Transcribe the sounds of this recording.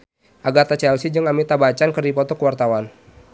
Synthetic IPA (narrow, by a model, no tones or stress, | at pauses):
ʔaɡat̪at͡ʃɛlsid͡ʒəŋamit̪abat͡ʃankərdipɔt̪ɔkəwart̪awan